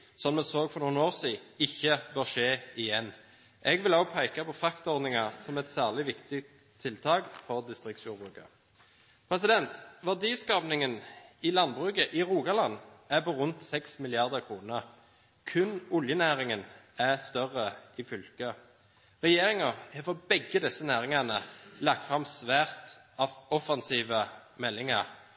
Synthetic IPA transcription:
sɔnmɛsoːɡfɔʁnuːnoːʁsiːɪçːəbøːʁʂeːɪjɛnː | ʔɛɡʋɪloːpʰæɪkɑpɔfɑkt̪ɔʁd̪nɪŋɑsɔmɛt̪sæːʁlɪʋɪkt̪ɪt̪ | t̪ʰːɪlt̪ʰɑːɡfɔʁd̪ɪst̪ʁɪkt̪sjuːɾbʁʉːkə̰ | pʰʁɛsɪd̪ɛnt̪ʋæd̪iːskɑːpnɪŋənɪlɑnbʁʉːkəʔɪʁuːɡɑlɑnːæpɔʁʉnt̪sɛksmɪlɪɑʁd̪əʁkʰʁuːnəʁ | kʰʉnʊljənæːʁɪŋən | æst̪œʁəɪfʏlkə | ʁɛjeːʁɪŋəɛfɔbɛɡːəd̪ɛsːənæːʁɪŋɑnəlɑk̚t̪fʁɑmsʋæːʁt̪ | ɑʋɔfɑnsiːʋəmɛlːɪŋə̰ʁ

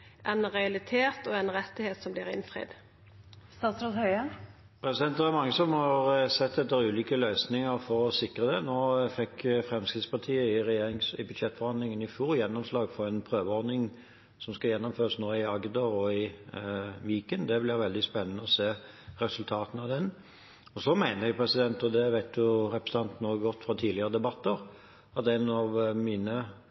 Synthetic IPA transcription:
ʔɛnɾɛɑlɪt̪ʰeːt̪ɔɛnʁɛt̪ːɪheːt̪sɔmblɪːɾɪ̰nfɾɪ̰d̪ | st̪ɑːt̪sɾɑt̪hœʏən | pʰɾɛsɪd̪ɛnt̪d̪ɛɛɾmɑŋːəsɔmhɑʁsɛt̪ːɛt̪ːəɾʉːliːkəlœʏsnɪŋəʁfɔɾɔsɪkʁəd̪ɛnoːfɛkːfɾɛmskɪt̪spʰɑt̪ʰiːəɪɾɛjeːɾɪŋsɪbʉd̪ɕɛt̪ːfɔʁhɑnd̪lɪŋənɪfjuːɾjɛnːɔmslɑːɡfɔɾɛnpʰɾøːʋəɔd̪nɪŋ | sɔmskɑjɛnːɔmføːʁəsnoːɪɑɡnd̪ɑɔɪ | ʋiːkənd̪ɛblɪɾʋɛld̪ɪspɛnːənəɔseː | ɾɛsʉlt̪ʰɑːt̪n̩ɑʋd̪ɛn | ɔsɔmæɪnəɾjɛɡpʰɾɛsɪd̪ɛnt̪ɔd̪ɛʋæɪt̪jʊɾɛpəsɑnt̪noːɡɔt̪ːfɾɑt̪ʰiːdlɪəɾəd̪ɛbɑt̪ːəɾ | ɑt̪ɛnɑʋmiːnə

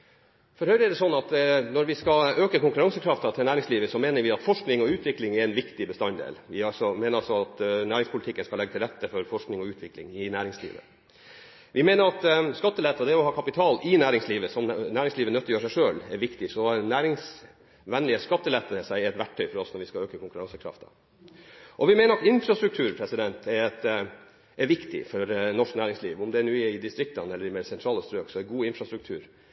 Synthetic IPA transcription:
fɔɾhœʏɾəɛɖ̪ɛsɔnːɑt̪nɔɾʋɪskɑøːkəkʊŋkʉɾɑŋsəkʰɾɑft̪ɑt̪ʰɪlnæːɾɪŋsliːʋəsɔmeːnəɾʋɪɑt̪fɔʂknɪŋɔʉːt̪ʰʋɪklɪŋɛɾɛnʋɪkt̪ɪbəst̪ɑnd̪ḛːlʋɪɑlsɔmeːnəɾɑlsɔɑt̪næːɾɪŋspʰʊlɪt̪ʰɪkːənskɑlɛɡːt̪ɪlɾɛt̪ːəfɔɾfɔʂknɪŋɔʉːt̪ʰʋɪklɪ̰ŋɪnæːɾɪŋslḭːʋə̰ | ʋɪmeːnəɾɑt̪skɑt̪ːəlɛt̪ːɑd̪ɛɾɔhɑːkʰɑpɪt̪ʰɑːlɪnæːɾɪŋsliːʋəsɔmnæːɾɪŋsliːʋənœt̪ːəjøːʂæɪʂøːlɛɾʋɪkt̪ɪsɔnæːɾɪŋs | ʋɛnlɪəskɑt̪ːəlɛt̪ːəəsæɪɛt̪ʋæʈʰːœʏfɔɾɔsnɔɾʋɪskɑøːkəkʰʊŋkʉɾɑŋsəkʰɾɑ̰ft̪ɑ̰ | ʔɔʋɪmeːnəɾɑt̪ɪnfɾɑst̪ɾʉk̚t̪ʰʉːɾpʰɾɛsɪd̪ɛnt̪ʰɛɾɛt̪ | ʔɛɾʋɪkt̪ɪ̰fɔɾnɔʂknæːɾɪŋsliːʋʊmd̪ɛːɳuːɛɪd̪ɪst̪ɾɪk̚t̪ɑnɛlːəɾmɛsɛnt̪ɾɑːləst̪ɾøːksɔɛɡuːɪnfɾɑst̪ɾʉk̚t̪ʰʉ̰ːɾ

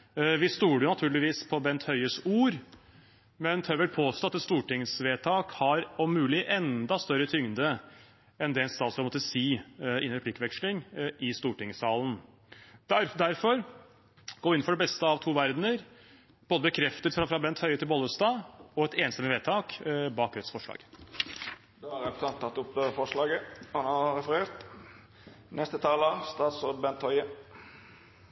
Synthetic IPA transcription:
ʋɪst̪uːɖəjʊnɑt̪ʰʉːɭɪʋiːspʰɔbɛnt̪hœʏəsuːɾ | mɛnhœʋɛʈ̪̚pʰoːst̪oːɑt̪ːɛt̪st̪uːʈɪŋsʋeːt̪ʰɑːkhɑɾɔmːʉːlɪʔɛnd̪ɑst̪œɾət̪ʰʏŋd̪ə | ɛnd̪ɛɛnst̪ɑːt̪sɔmɔt̪ːəsiːɪ̰nːɾəpʰlɪkːʋɛkʂlɪŋʔɪst̪uːʈɪŋəsɑːln̩ | d̪æɾd̪æɾfɔɾ | ɡ̥oːɪn̩fɔɖɛbɛst̪əɑʋt̪ʰuːʋæɾd̪nəɾ | b̥oːd̪əbəkʰɾɛft̪ət̪fɾɑfɾɑbɛnt̪hœʏət̪ʰɪlbɔləst̪ɑːɔɛt̪eːnst̪ɛməʋeːt̪ʰɑːkbɑːkɾœt̪sfɔʂɭɑ̰ːɡ̥ | d̪ɑæɾɛpt̪ʰɑnt̪ʰːɑt̪ːʊpd̪øəfɔʂlɑːɡəhɑnɑʁɛfəɾeːʁt̪ | nɛst̪ət̪ʰɑːləst̪ɑːt̪sɔbɛnt̪hœʏə

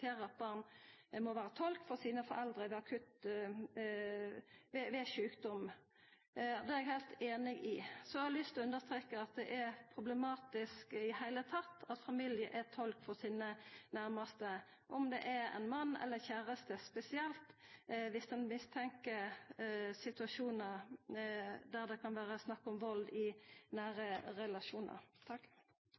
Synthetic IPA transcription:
eːɾəɑt̪̚bɑːʁnmɔʋæːʁət̪ʰɔlkfɔsiːnəfɔɾɛld̪ʁəʋɛɑkʰʉt̪ | ʋɛʋɛʃʉːkd̪ɔm | d̪ɛæɛɡhæɪlt̪eːnɪɡɪsɔhɑɑlʏst̪ɔʉnd̪əst̪ʁeːkəɑt̪̚d̪ɛʔɛpʰʁʊblɛmɑːt̪ɪskɪhæɪlət̪ʰɑt̪ːɑt̪fɑmɪljəʔɛt̪ʰɔlkfɔʁsiːnənæɾməst̪ə | ʔɔmd̪ɛ̰ʔɛɾɛ̰nmɑnːɛ̰lːəçæːɾəst̪əspɛsɪɛlt̪ʋɪsd̪ɛnmɪst̪ʰɛŋkə | sɪt̪ʉɑʂuːnə | d̪æʁd̪ɛkʰɑnʋæːʁəsnɑkːɔmʋɑld̪ɪnæːɾəɾɛlɑʃuːnɑ̰ɾt̪ʰɑkː

